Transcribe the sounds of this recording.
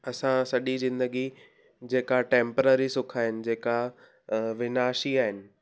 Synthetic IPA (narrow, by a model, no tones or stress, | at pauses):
ɐsãsɐɗizɪ̃nd̪əɡi | d͡ʑeːkaʈẽːmpəɾəɾisʊkʰaːɦɪnɪ̆d͡ʑeːka | ʋɪnaːʃiaːɦɪnɪ̆